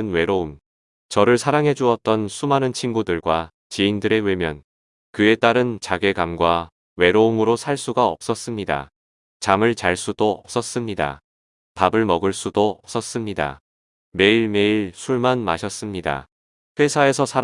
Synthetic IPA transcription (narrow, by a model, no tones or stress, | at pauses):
nwe̞ɾoum | t͡ɕʌɾɯɭsʰaɾaŋɦe̞d͡ʑuʌt̚t͈ʌnsʰumanɯnt͡ɕʰinɡudɯɭɡwa | t͡ɕiindɯɾe̞wemjʌn | kɯe̞t͈aɾɯnt͡ɕaɡe̞ɡamɡwa | we̞ɾoumɯɾosʰaɭs͈uɡaʌ̰p̚s͈ʌs͈ɯmɲida̰ | t͡ɕamɯɭt͡ɕaɭs͈ud̥oʌp̚s͈ʌs͈ɯmɲida̰ | pabɯɭmʌɡɯɭs͈udoʌp̚s͈ʌs͈ɯmɲida̰ | me̞iɭme̞iɭsʰuɭmanma̰ɕʰʌs͈ɯmɲida̰ | ɸwe̞sʰae̞sʰʌsʰa